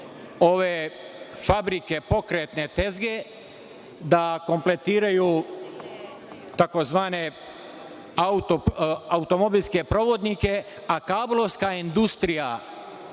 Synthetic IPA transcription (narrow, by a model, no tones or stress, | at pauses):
o̞ʋefabɾike̞po̞kɾet̪ne̞t̪e̞zɡe̞ | d̪ako̞mple̞t̪iːɾaju | t̪ako̞zʋaːne̞ | aut̪oaut̪o̞mo̞bilʲske̞pɾo̞ʋo̞d̪nike̞ | akaːblˠo̞ʋskaind̪ust̪ɾija